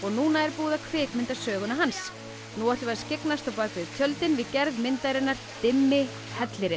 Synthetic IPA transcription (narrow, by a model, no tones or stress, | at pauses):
ɔɣnuːnaɛɾpuːðakʰvɪːkmɪnt̪asœːɣʏnaɦans | nuːaht̪ɪvaɾscɪknast̪awpaːkvɪðt̪ʰjœlt̪ɪnvɪðcɛɾðmɪnt̪ajɾɪnːaɾ̥t̪ɪmːɪ | hɛt̪lɪɾɪ